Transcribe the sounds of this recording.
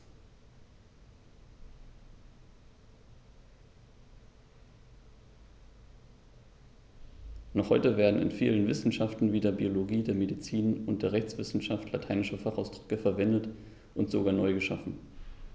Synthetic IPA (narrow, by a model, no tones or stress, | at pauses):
nɔχhɔʏtəveːɐdn̩ɪ̰nfiːlənvɪsn̩ʃaftn̩viːdɐbioloɡiːdeːɐmedit͡siːnʊntd̥eːɐʁɛçt͡sv̥ɪsn̩ʃaftlatʰaɪnɪʃɐfaχaʊsd̥ʁ̥ʏkəfɛɐvɛndət | ʔʊntz̥oɡaːɐnɔʏɡəʃafn̩